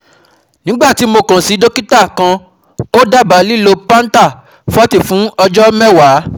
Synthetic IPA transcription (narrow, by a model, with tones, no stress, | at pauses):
nĩ˨˦ɡ͡ba˦˨ti˨˦mo˧kã˨si˨˦do˦ki˦ta˦˨kã˧ | o˦da˦˨ba˨˦li˦˨lo˧pã˦n̩˦ta˦˨ | fɔ˦ti˦˨fũ˨˦ɔ˧d͡ʒɔ˦mɛ˦wa˨˦